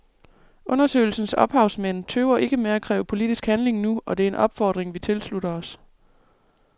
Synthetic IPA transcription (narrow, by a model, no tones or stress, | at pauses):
ʔɔ̽nɐsø̰ɪl̩sn̩sɒ̽b̥hɑ̈ʊsmen̰t͡sʰøʊɐʔe̝ɡ̥əmeækʰʁɛ̰ːʊəpʰo̝lid̥isɡ̥hænle̝ŋnuɒ̽d̥e̝æɐe̝nʔɒ̽b̥fɒ̰ːd̥ʁeŋʋit͡sʰe̝lsluɾɐɒ̽s